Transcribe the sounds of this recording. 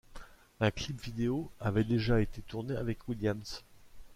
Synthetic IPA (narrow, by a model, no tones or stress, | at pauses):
ɛ̃klipvid̪eoavɛd̪eʒaet̪et̪uʁneavɛkwiljams